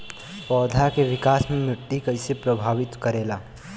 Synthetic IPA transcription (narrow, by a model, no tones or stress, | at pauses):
pɔːd̪ʱakeʋɪkaːsmẽmɾɪʈːikəɪsepɾəbʱaːʋɪt̪kəɾeːla